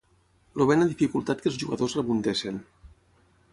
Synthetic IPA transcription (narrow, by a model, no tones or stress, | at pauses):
loβenaðifikulˠt̪at̪̚kəlˠzʒuɣəðozrəβunt̪esin